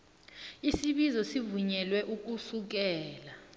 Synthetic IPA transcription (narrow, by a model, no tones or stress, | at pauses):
isiɓizɔsivuɲɛlwɛʔuk̬usuk̬ɛːla